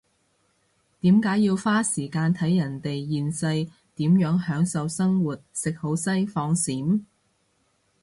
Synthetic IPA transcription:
t̪iː˨˥mkaː˨˥jjiː˧wfaː˥siː˨˩kaː˧nt̪ʰɐ˨˥jɐ˨˩nt̪e˨jjiː˨nsɐ˧j | t̪iː˨˥mjœː˨˥ŋhœː˨˥ŋsɐ˨˧wsɐ˥ŋwuː˨˩t̚sɪ˨k̚ho˨˥wsɐ˥jfɔː˧ŋsiː˨˥m

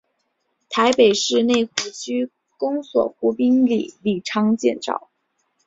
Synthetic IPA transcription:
t̪ʰa˧˥ɪpe˨˩ɪʂɻ̩˥˧ne˥˩ɪxu˥˩t͡ɕʰy˥ | kʊ˥ŋswɔ̰˨˩xu˧˥pi˥ŋlḭ˨˩li˥˩ʈ͡ʂʰɑ˥ŋt͡ɕjɛ̰˥˧nʈ͡ʂɑ̰˥˩ʊ

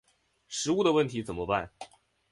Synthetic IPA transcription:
ʂɻ̩˧˥u˥˩d̪ə˩wə˥˩nt̪ʰi˧˥t͡sə˨˩nmə˦pa̰˥˩n

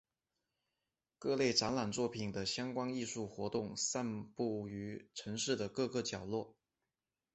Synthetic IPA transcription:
kɤ˥˧le˥˩ɪʈ͡ʂa˧˥nla˨˩nt͡swɔ˥˩pʰi˨˩ŋd̪ə˦ɕjɑ˥ŋkwɑ˥ŋi˥˧ʂu˥˩xwɔ˧˥t̪ʊ˥˩˧ŋsa˥˧npu˥˩y˧˥ʈ͡ʂʰɤ˧˥ŋʂɻ̩˥˩d̪ə˩kɤ˥˧kɤ˥˩t͡ɕjɑ˨˩ʊlwɔ˥˩

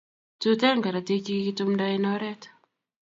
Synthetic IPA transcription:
tu˦tɛ˦ŋɡa˨ɾa˨te˦ki˦ki˦tu˦mnda˦i˦nɔ˦ɾɛ˦t

